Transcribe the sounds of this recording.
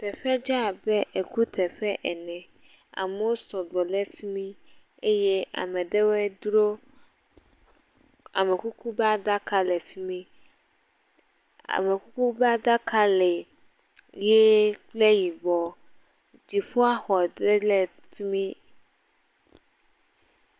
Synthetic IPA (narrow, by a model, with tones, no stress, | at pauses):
pɛ˨ɸɛ˦d͡ʒa˦˨bɛ˦ʔe˨ku˦t̪ʰɛ˨ɸɛ˦ʔɛ˨nɛ̃˨ | a̰˨me˦wo˦sɔ˨ɡ͡bɔ˨le˦fi˦mĩ˦ | e˦jɛ˦ʔa̰˨mɛ̃˨ɖe˦wɛ˦d̪ɾo˦ | a̰˨me˨ku˦ku˦bɛ˦a˦d̪a˦ka˦lɛ˨fi˦mĩ˦ | a̰˨me˨ku˦ku˦bɛ˦a˦d̪a˦kʰa˦lɛ˨ | je˦k͡ple˦ji˨bɔ˨ | d͡ʑi˨ɸo˦a˦xɔ˨d̪ɾe˦lɛ˨ | fi˦mĩ˦